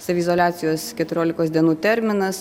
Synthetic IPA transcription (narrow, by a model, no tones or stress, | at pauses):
sɐʋʲɪzoːlʲæːt̪sʲɪjoːskʲɛt̪ʊɾʲoːlʲɪkoːsd̪ʲiɛnuːt̪ʲɛɾʲmʲɪnɐs